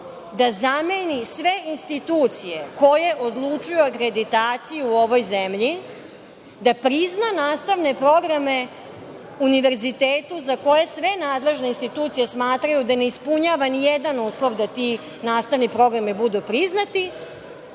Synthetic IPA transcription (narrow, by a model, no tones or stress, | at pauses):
d̪azamenisʋe̞inst̪it̪uːt̪sije̞ko̞je̞ʔod̪lˠut͡ʃujoakɾe̞d̪it̪aːt̪sijuːo̞ʋojzemʎi | d̪apɾiznanaːst̪aʋne̞pɾo̞ɡɾame̞ | uniʋe̞ɾzit̪eːt̪uzako̞je̞sʋe̞naːd̪le̞ʒneinst̪it̪uːt̪sijesmaːt̪ɾajud̪ane̞ispuɲaːʋanijed̪anuːslˠo̞ʋd̪at̪i | naːst̪aʋnipɾo̞ɡɾamibud̪upɾiznat̪i